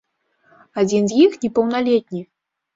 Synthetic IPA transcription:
ad͡zʲinzjixnʲɛpɐwnalʲɛt̪̚ʲnʲi

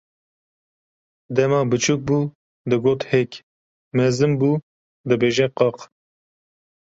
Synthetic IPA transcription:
d̪ɛmɑːbɨt͡ʃʰuːk̚buː | d̪ɨɡoːt̪hekʲ | mɛzɨmbuː | d̪ɨbeːʒɛqɑːq

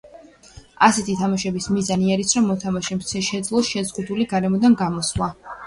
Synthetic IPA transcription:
asɛt̪ʰit̪ʰamaʃɛbismizaniaɾisɾɔmːɔt̪ʰamaʃɛmt̪sʰɛʃɛd̪zlˠɔsʃɛzʁud̪uliɡaɾɛmɔd̪anɡamɔslˠa

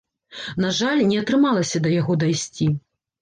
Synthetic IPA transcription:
naʐalʲnʲɛɐt̪ɾɨmalˠɐsʲɐd̪ɐjaɣɔd̪ajsʲt͡sʲi

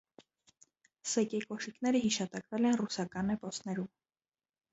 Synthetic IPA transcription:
sɛkɛkɔʃikn̪ɛɾəɦiʃɑt̪ɑkvɛlɛnrusɑkɑnːɛpɔsnɛɾum

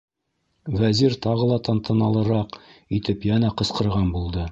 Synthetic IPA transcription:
væziɾt̪ɑʁɤ̆lˠɑt̪ɑnt̪ɤ̆nɑlˠɤ̆ɾɑqit̪ɘpjænæqɤ̆sqɤ̆ɾʁɑnbulˠd̪ɤ

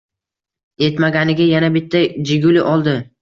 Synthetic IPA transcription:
e̞t̪maɡʲanɪɡʲajanabɪt̪ʰːad͡ʒɪɡʲʊlɪʔɒlˠd̪ɪ

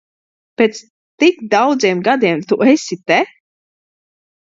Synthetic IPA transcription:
pʲeːt̪s | t̪ikd̪awd̪ziɛmɡad̪iɛmt̪uʔesʲit̪e

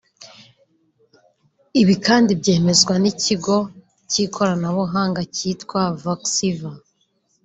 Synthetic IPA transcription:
iβikaːndibɟe̞ːme̞zɡwanicʰiɡo̞ | cikʰo̞ɾanaβuɦaːŋɡaciːtkwavaksiva

